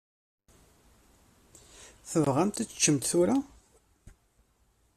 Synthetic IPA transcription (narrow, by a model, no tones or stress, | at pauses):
θəvʁæmt̪æt͡sːə̥t͡ʃːəmt̪θuɾa